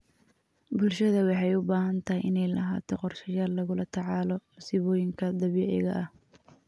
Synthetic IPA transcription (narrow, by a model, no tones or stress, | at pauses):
bʊlʃɐðɐwɑħɑjʊbaːɦɐnt̪ʰɐɦjʔɪnɛjlɐ̰ɦa̰ːt̪ʰɔqɔrʃɐjaːlːɐɣʊlɐt̪ʰɑʕɑːlɔsɪβɔːjɪŋkʰɐd̪ɐβɛʕɛ̰ɣɐ̰ʔɐh